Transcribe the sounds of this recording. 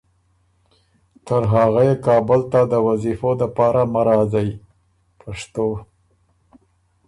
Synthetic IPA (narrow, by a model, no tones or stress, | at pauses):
t̪əɾɦaɣajekɑbʊlt̪ad̪əwazifod̪apɑɾamaɾɑzaji | pʰaʂt̪o